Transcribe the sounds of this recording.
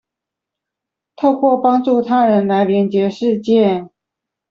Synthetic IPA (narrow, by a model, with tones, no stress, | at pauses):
t̪ʰo˥˧ʊkwɔ˥˩pɑ˥ŋʈ͡ʂu˥˩t̪ʰa˥ɻə˧˥nla˧˥ɪljɛ˧˥nt͡ɕjɛ˧˥ʂɻ̩˥˧t͡ɕjɛ˥˩